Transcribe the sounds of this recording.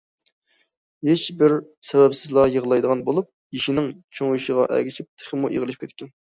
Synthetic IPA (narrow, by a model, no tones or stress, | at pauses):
het͡ʃbɪɾsɛvɛpsɪzlˠɑjəʁlˠɑjd̪əʁɑnbolˠup̚jiʃinɪŋt͡ʃʰoŋjiʃəʁɑʔɛ̰ɡʲit͡ʃʰip̚t̪ʰe̥χəmuʔḛʁəlˠɨʃpkʲʰɛt̪kʲɛn